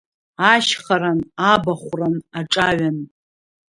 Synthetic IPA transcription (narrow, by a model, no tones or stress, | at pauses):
aʃχaɾanabaχʷranaʈ͡ʂʼaɥan